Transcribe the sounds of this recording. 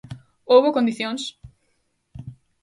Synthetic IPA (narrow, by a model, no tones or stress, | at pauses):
owβokõnd̪iθjõŋs